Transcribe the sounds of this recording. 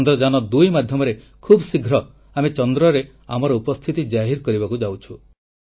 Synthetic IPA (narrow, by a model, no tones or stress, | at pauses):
nd̪ɾɔd͡ʒanɔd̪ujmad̪ʱjɔmɔɾe | kʰubsiɡʱɾɔ | amet͡ʃɔnd̪ɾɔɾe | amɔɾɔupɔst̪ʰit̪id͡ʒaɦiɾkɔɾibakud͡ʒawt͡ʃʰu